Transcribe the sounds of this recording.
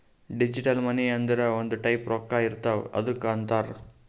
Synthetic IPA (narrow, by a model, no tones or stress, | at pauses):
ɖɪd͡ʒiʈɐlmɐniɐnd̪iɾɐɔnd̪ɯʈɐɪpɾoːkːaːɪɾɯt̪ːaːʋɐ̰ðɯkːaːɳt̪aːɾ